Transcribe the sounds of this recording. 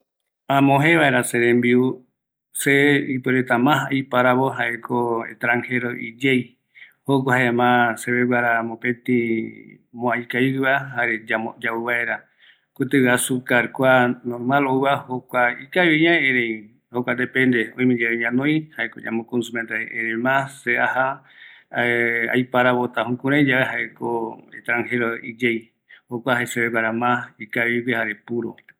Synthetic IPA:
ãmõɦẽβaeɾaseɾẽmbiu | seipweɾet̪amãɦaʔipaɾaβoɦaʔekʰoḛst̪ɾaŋheɾoʔid͡ʒej | hok̬ʷahaeemãseβeβaɾamopẽt̪ĩ | mõajkajɨβaɦaɾed͡ʒamod͡ʒauβaeɾa | kut̪ɨɡasukaɾkʷanoɾmãloɨahokʷaikaβeɲãeɾej | hokʷad̪epẽnd̪eõĩmĩd͡ʒeɾeɲãnõj̃haeko̰ɲã̰mõkonsumẽnt̪aeʔeɾemãseʔaha | a̰jpaɾaβot̪ahũkuɾ̃ãĩd͡ʒaβeɦaekoḛt̪ɾãŋheɾoid͡ʒej | hokʷahaeseβekaɾamãikaikehaɾepuɾo̰

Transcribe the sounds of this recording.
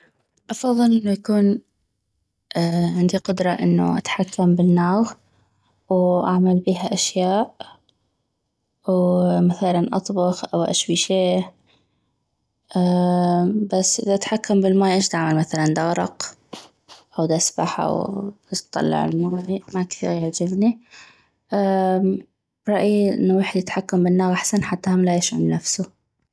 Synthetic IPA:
ʔɑfɑðˤːɨlʔɪnːujakuːn | ʕɪnd̪iqʊd̪ɾˤɑʔɪnːṵʔa̰t̪ħakːambɪnːaːɣ | wʔaʕmalbiːɦaʔaʃjaːʔ | wmaθalanʔɑ̰t̪ˤbɑxʔa̰wʔḛːʃbiʃeː | basːʔɪ̰ðaʔt̪ħakːambɪlmaːjʔeːʃd̪aʕmalmaθaland̪ɑɣɾˤɑ̰q | ʔawd̪asbaħʔa̰wbtt̪ˤːɑ̰lːɑ̰ʕɪ̰lmaːjmakθḭːɣjald͡ʒɪbni | ʔa | bɾˤɑʔiʔɪ̰nːawɪːħd̪jɪt̪ħakːambɪnːaɣʔaħsanħat̪ːahamlajɪʃʕa̰mnafsʊ

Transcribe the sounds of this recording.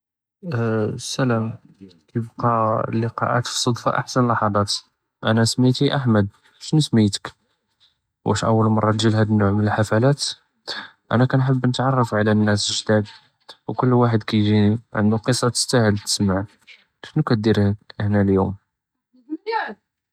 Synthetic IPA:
sːælæm | kæjbqɑlːəqɑ̰ʔæ̰t̪fə̥sˤːod̪ˤfɑ̰ʔa̰ħsənlɑħɑd̪ˤɑt̪ | ʔæ̰næsmit̪iʔaħməd̪̚ | bæʃnəsmit̪ə̥k | wæ̰ʃʔə̰wːəlmɑrˤːɑt̪ʒilhæd̪ənːʊʕmənəlħafælæt̪ | ʔæ̰nækænħəbːnət̪ʕɑrˤːɑfʕlænːæsʒd̪æd̪ | wkʊlːwaħəd̪kæjʒiniʕə̰nd̪uqəsˤːɑt̪ə̥st̪æhəlt̪ə̥smaʕ | ʃnukæt̪̚d̪iɾhæhnæljum

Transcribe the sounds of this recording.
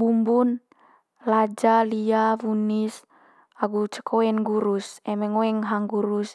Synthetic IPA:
bumbun | lad͡ʒaliavunis | aɡut͡ʃə̥kʰoɛnɡuɾusɛmɛŋoɛŋɦaŋɡuɾus

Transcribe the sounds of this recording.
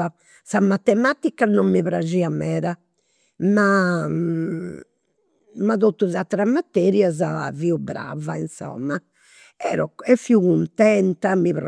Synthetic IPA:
a | samat̪ːɛmat̪ikːanɔmːiβɾad͡ʒiamɛːɾa | ma | maðot̪ːuzat̪ːɾamːat̪ːɛɾjazaviubɾa̰vainsɔ̰mːa | ɛ̰ːɾɔɛfːiuɣunt̪ɛnt̪amiβɾ

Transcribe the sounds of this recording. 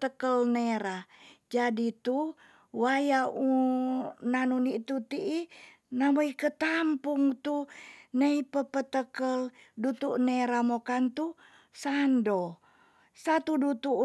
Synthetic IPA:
t̪əkəlneɾad͡ʒadit̪u | wajau | nanunit̪ut̪iʔi | namoikət̪ampuŋt̪uneipəpət̪əkəl | dut̪uʔneɾamokant̪u | sando | sat̪udut̪u

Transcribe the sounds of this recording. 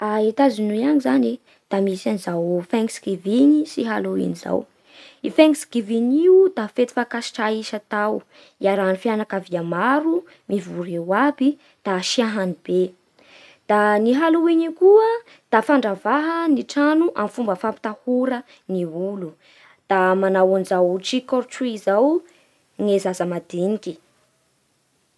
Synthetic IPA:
aet̪azinuiaŋizane | d̪̥amisanizawfaŋsɡiviɲisiɦaluḭniza̰w | ifeŋsɡiviɲiud̪afet̪i̥fakasi̥ʈ͡ʂaiʃat̪aw | iaɾanifjanakaviamaɾu | mivuɾewabi | d̪̥aʃiaɦanib̥e | d̪̥aniɦaluweɲikuə | d̪̥afaɳɖ͡ʐavaɦəniʈ͡ʂanuʔamfumbəfampi̥t̪ahuɾə | niulu | d̪̥amanawanzawʈ͡ʂikɔɾʈ͡ʂiizaw | ŋezazəmad̪iniki̥

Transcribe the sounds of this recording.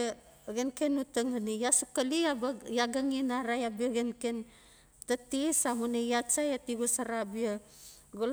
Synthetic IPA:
ɡenkenutəŋanijasukaliabajaɡaŋinaɾajabɡenken | tatisamunejat͡ʃajatiɡusaɾabia | ɡul

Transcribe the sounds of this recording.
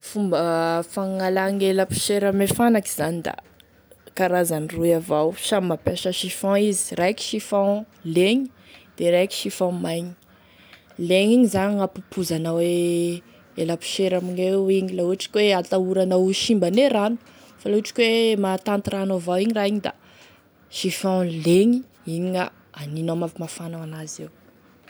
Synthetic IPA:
fumbəfaŋalaŋeləpi̥ʃeɾamefanaki̥z̥anid̪a̰ | kaɾazaniruavawʃamːapaʃəʃifɔ̃izi̥rajki̥ʃifɔ̃ | leɲi | d̪̥eɾajki̥ʃifɔ̃majɲi̥ | leŋiɲizaɲiapupʰuzanəwe | elapi̥ʃeɾaminewiɲilauʈ͡ʂi̥kʲweat̪auɾanauʃimbaneɾanu̥ | faloaʈ͡ʂi̥kʲwemat̪ant̪iranavawiɲiɾaiɲid̪a̰ | ʃifɔ̃leɲi | iɲiŋa | aninamavimafanaanazew

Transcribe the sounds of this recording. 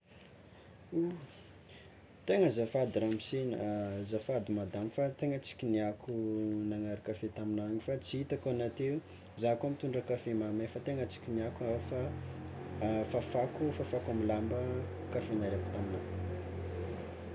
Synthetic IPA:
u | t̪eŋəzafad̪iɾamisinə̰zafad̪imad̪amifat̪eŋət͡si̥kʲiniakʰunaŋaɾakafet̪aminaaɲifat͡siit̪akanat̪eu | zakamit̪uɳɖ͡ʐəkafemamefat̪eŋət͡si̥kʲiniakufa | fafakufafakamilambə | kafenaɾaku̥t̪aminakama

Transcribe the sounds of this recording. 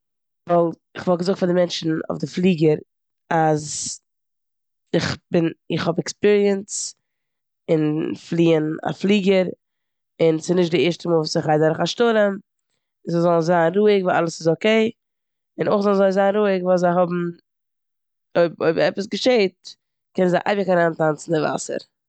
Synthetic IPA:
valˠ | ɪχvɔlˠɡəzʊɡ̚kfadɪmɛnt͡ʃn̩ɔ̰ʊfdɪflˠiːɡəɾ | az | ɪχbɪnɪχhɔbɛkspiɾiəns | ɪnflˠiːəna̰flˠiːɡəɾ | ɪnsɪnɪʃ̬tdɪɛɾʃtəmuːlˠvuːsɪχaɪdɛɾəχaʃtʊɾəm | zazɔlˠn̩zaːnɾuːɪɡvalˠa̰lˠəsɪzokeɪ | ɪnoɪχzɔlˠn̩zoɪzaːnɾuːɪɡvuːzaɪɦɔbm̩ | oɪboɪbɛpəsɡəʃeɪt̚ | kɛnənzaɪʔa̰ɪbəkaɾaːntant͡sn̩dɪva̰sə̰ɾ

